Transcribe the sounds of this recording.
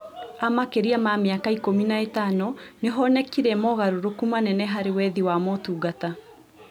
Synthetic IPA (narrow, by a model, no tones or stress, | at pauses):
amakeɾiamameakaikominaetanɔneɦɔnɛkiɾɛmɔɣaɾoɾokumanɛnɛɦaɾewɛðiwamɔtuːɡata